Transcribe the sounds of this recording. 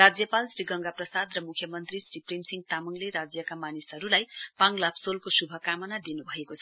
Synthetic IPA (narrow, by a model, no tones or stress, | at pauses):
rad͡zjʌpalsriɡʌŋɡaprʌsad̪rʌmukʰːjʌmʌnt̪risriprimsiŋɡ̚t̪amʌŋleɾad͡zjʌkamanisʌɾulajpaŋlapsolkosubʱʌkamʌnad̪inubʱʌekot͡sʰʌ